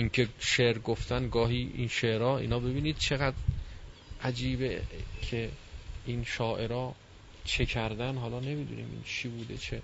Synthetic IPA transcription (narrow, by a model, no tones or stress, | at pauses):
ʔiŋkʰe̞ʃeʔɾɡoft̪ænɡɒːɦiːʔḭnʃeʔɾɒːḭːnɒːbe̞biːniːd̪̥̚t͡ʃʰe̞ɣæd̪ | ʔæd͡ʒiːbekʰeinʃɒːʔe̞ɾɒː | t͡ʃʰe̞kʰæɾd̪ænɦɒːlɒːne̞miːd̪ṵnḭːmʔḭːnt͡ʃʰiːbuːd̪ḛt͡ʃʰe